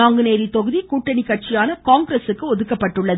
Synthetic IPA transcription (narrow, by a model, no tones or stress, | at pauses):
aːŋɡɯneːɾit̪ːɔɣɯðikuːʈːɐɳɪkːɐʈ̚t͡ʃɪjaːnɐkaːŋɡɾɐsɯkːɯɔðɯkːɐpːɐʈːɯɭːɐð